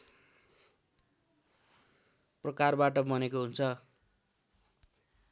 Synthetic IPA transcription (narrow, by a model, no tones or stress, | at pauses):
prʌkarbaʈʌmʌnekoɦunt͡sʰʌ